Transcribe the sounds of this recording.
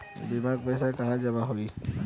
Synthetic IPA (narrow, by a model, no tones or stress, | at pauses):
d̪ɪmaːɡ̚pəɪs̬akɐɦãd͡ʒɐmaɦoiː